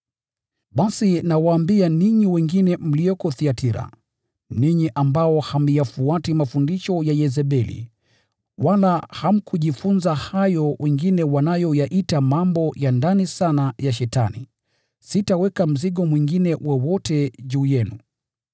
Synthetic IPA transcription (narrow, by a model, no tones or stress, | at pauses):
ɓasinawaːmbianiɲiwɛŋɡinɛm̩liɔkɔθiatʰiɾa̰ | niɲiʔambaɔham̩jafuatimafundiʃɔjajɛzɛɓɛlḭ | walaham̩kʰuʄifunzahajɔwʔɛŋɡinɛwanajɔjaʔitamambɔjandanisanajaʃɛta̰nḭ | sitawɛkam̩ziɠɔmwiŋɡinɛwʔɔwɔtɛʄuːjɛnu